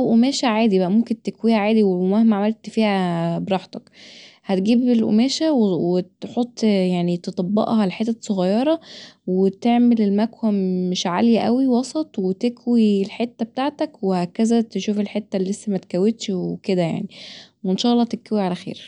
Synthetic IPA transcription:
wʔomæːʃæʕaːd̪ibæʔæmomkent̪ekwiːhæʕaːd̪iwemæhmæʕamælt̪fiːhæbeɾˤɑːħt̪ɑkhæt̪ɡiːbelʔo̰mæːʃæwewet̪ħot̪ˤːjaʕnit̪et̪ˤɑbːɑ̰ʔhɑleħet̪ːæsˤːoɣɑjːɑɾˤɑwet̪eʕmelelmækwæmeʃʕaljæʔæwiwɑsˤɑt̪ˤwet̪ekwilħet̪ːæbet̪aʕt̪ækwehækæzæt̪eʃuːfelħet̪ːælːesːæmæt̪kæwet̪ʃweked̪æja̰ʕniwenʃæʔɑlˤːɑːt̪ekæwiʕalæxḛːɾ

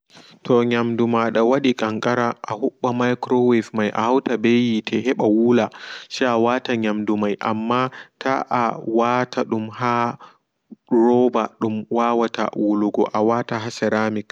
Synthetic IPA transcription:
tʰɔɲamdumaɗawaɗikʼɐŋkʼaɾaʔahuɓːamajkɾɔwɛfmajʔa̰hawtabejiːtʰeɦɛɓawuːlaʃiʔawaːtaɲamdumajʔa̰mːaːtʰa̰ʔawaːtaɗumha | ɾɔːbaɗumwaːwata̰wuluɡɔ̰ʔawaːtaɦasɛɾaːmɪk

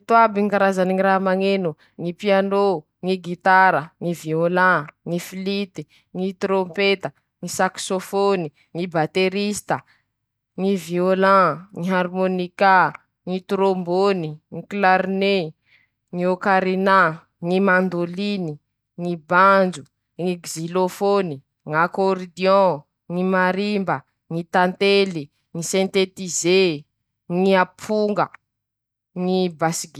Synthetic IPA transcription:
t̪abiŋkaɾazaniŋiɾamaŋenu | ŋipiano | ŋiɡit̪aɾəŋiviolãŋifilit̪i | ŋit̪ɾompet̪ə | ŋisaksofoni | ŋibat̪eɾist̪ə | ŋiviolãŋiɦaɾmonika | ŋit̪ɾomboniŋiklaɾne | ŋiokaɾina | ŋimand̪olini | ŋiband͡ʒu | ŋiɡzilofoni | ŋakoɾid̪jɔ̃ | ŋimaɾimbə | ŋit̪ant̪eli | ŋisɛ̃nt̪et̪ize | ŋiapʰuŋɡə | ŋibasiɡi

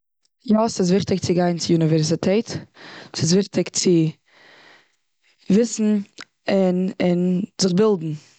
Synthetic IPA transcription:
jɔsɪs̬vɪχtɪk̚t͡sɪɡaɪnt͡sɪunɪvɛɾsɪtʰɛtsɪs̬vɪχtɪkt͡sɪ | vɪsn̩ | ɪnɪnzɪχbɪlˠdn̩

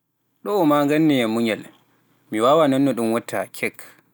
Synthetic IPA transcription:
ɗɔɔmaŋɡanːijamuŋɛl | miwawanɔnːɔɗumwatʰːa̰kʰɛk

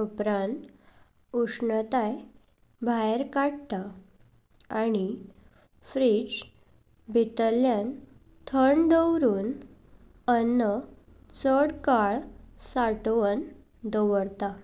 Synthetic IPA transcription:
upɾãnt̪ | uʂnət̪aj | bʱajeɾkaɽt̪a | aɽ̃i | fɾid͡ʑ | bʱit̪əljan | t̪ʰəɳd̪əwɾuːn | ənə | t͡səɽkaɭsaʈʋən | d̪əʋəɽt̪a

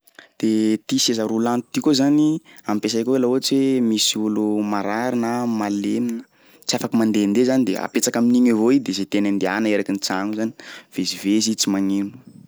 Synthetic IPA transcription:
d̪̥et̪isezaɾulant̪ut̪ikozaniamipesajkoelauat͡siwemisiulumaɾaɾinamaleminə̥ | t͡siafakimand̪end̪ezanid̪ea̰pet͡sakaminiɲevoid̪ezet̪enand̪eaneɾakinit͡saŋuzani̥v̥ezivezit͡simaŋinu̥

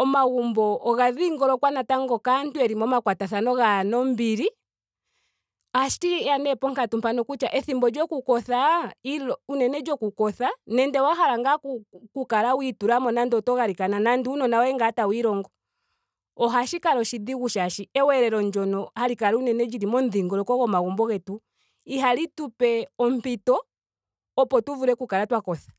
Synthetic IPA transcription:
ɔmaɣumbɔʔːɣaðiŋɡɔɾɔkwanataŋɡɔkantuɛɾimɔmakwataθanɔɣanɔmbiɾi | aʃtianɛpɔŋkatumpanɔkut͡ʃaʔɛθimbɔd͡ʒɔkukɔθailɔunɛnɛd͡ʒɔkukɔθanɛndɛwaɦaɾaŋɡakukukalawituɾamɔnandɔtɔɣaɾikananandiunɔnawɛŋɡatawiɾɔŋɡɔ | ɔɦaʃikaɾɔʃidiɣuʃaʃiɛwɛɾɛɾɔɲd͡ʒɔnɔhaɾikaɾunɛnɛd͡ʒiɾimɔnðiŋɡɔlɔkɔɣɔmaɣɔmbɔɣɛtu | iɦalitupɛɔm̩pitɔː | pɔtuvuɾɛkukaɾatwakɔθḁ

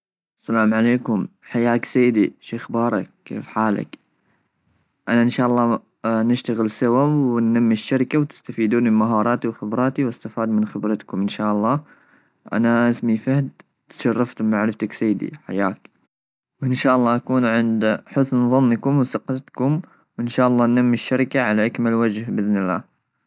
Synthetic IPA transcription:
ʔasalaːmʕaleːkʊmħajːaːksajːd̪iʃeːxbɑːɾˤɑ̰k̚ːḛːfħaːla̰k | ʔanaʔɪnʃaːʔɑlˤːɑː | nɪʃt̪aɣɪlsawawɪnːamːiʃːaɾkawt̪ɪ̥st̪afiːd̪uːnmɪmaɦɑːɾˤɑːt̪iwxɪbɾˤɑːt̪iwast̪afaːd̪mɪnxɪbɾɑt̪kʊmʔɪnʃaːʔɑlˤːɑː | ʔa̰naʔɪsmifahd̪ | t̪ʃɑrˤːɑft̪ʊmːaʕɾɪft̪aksajːd̪ḭħa̰jːaːk | wʔɪnʃaːʔɑlˤːɑːʔakuːnʕɪnd̪ħʊsnðˤɑnːkʊmwsɑqt̪kʊm | wɪnʃaːʔɑlˤːɑːnːamːɪʃːaɾɪkaʕalaʔakmalwad͡ʒhbɪðnɪlːa̰ː

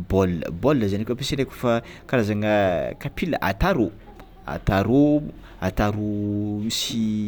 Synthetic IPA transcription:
bolːə̰bolːəzanikʲapisinekʲu̥fakaɾazaŋəkapʰilə̰ʔa̰t̪aɾo | a̰t̪aɾo | at̪aɾumisi

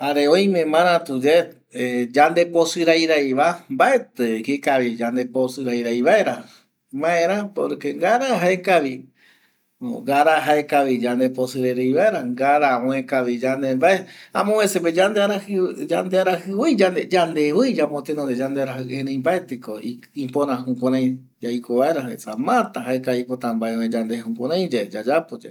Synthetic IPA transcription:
haɾeõj̃mẽmãɾ̃ãt̪ud͡ʒe | ed͡ʒand̪e̞posɨɾajɾajβambae̞t̪ekikaβid͡ʒand̪e̞posɨɾajɾajβaeɾa | mãẽɾ̃ãpo̰ɾke̞ŋɡaɾaɦaekaβi | ɡaɾaɦaekaβid͡ʒand̪eposɨɾajɾajβaeɾaŋɡaɾaõẽkaβid͡ʒand̪embaeã̰mõeseped͡ʒand̪eaɾahand̪eaɾahɨwɨjd͡ʒand̪ed͡ʒand̪ewɨjd͡ʒamot̪enond̪ed͡ʒand̪eaɾaɦɨẽɾẽj̃mbaet̪ikoi | ipõɾãɦũkʷãɾãj̃ | d͡ʒajkoβaeɾaɦesamãt̪aɦaekaipot̪ãmbaewed͡ʒand̪ehukʷaɾãj̃d͡ʒad͡ʒad͡ʒapod͡ʒa

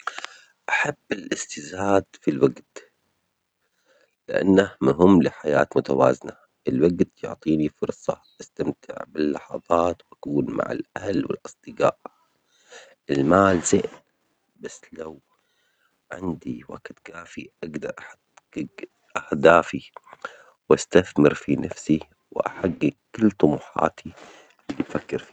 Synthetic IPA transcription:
ʔaħabːɪlʔɪst̪ɪzaːd̪filwaɡt̪ | lɪʔa̰nːahmʊɦʊmːlɪħaja̰ːt̪mʊt̪awa̰ːzɪna | ʔɪlwaɡt̪jʊʕt̪ˤiːnifʊɾsˤɑ̰ | ʔast̪amt̪ʰɪ̰ʕbɪlːɑħɑðˤɑːt̪wʔakuːnma̰ʕa̰lʔahalwɪ̰lʔɨsˤd̪̥ɨɡa̰ːʔ | ʔɪlmaːlz̥ɪʔ | basːlaw | ʕɪ̰nd̪iwa̰ːqɪt̪kaːfiʔaɡd̪ɑɾˤʔaħa | ɪɡ | ʔahd̪aːfi | wʔast̪aθmɪɾfinʔafsi | wɪʔa̰ħaɡːɪɡkːɪlːt̪ˤʊmuːħɑ̰ːt̪ʰi | ʔɪlːibfakːɪɾfi

